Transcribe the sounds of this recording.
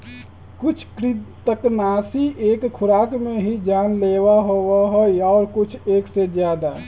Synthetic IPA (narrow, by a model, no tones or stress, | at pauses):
kut͡ʃʰkɾit̪əknasiʔeːkkʰʊɾakmeɦid͡ʒanlewaɦowaɦɔaːɾkut͡ʃʰeːksed͡ʒjad̪a